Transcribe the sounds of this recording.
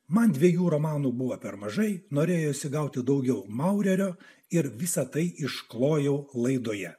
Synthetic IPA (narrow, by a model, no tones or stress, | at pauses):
mɐnd̪ʲʋʲiɛjuːɾomɑːnuːbʊʋoːpʲɛɾmɐʒɐɪnoːɾʲeːjoːʃʲsʲɪɡɐʊt̪ʲɪd̪ɐʊɡʲɛʊmɐʊɾʲɛɾʲoː | ɪɾʋʲɪsɐt̪ɐɪɪʃklˠoːjɛʊlˠɐɪd̪oːjɛ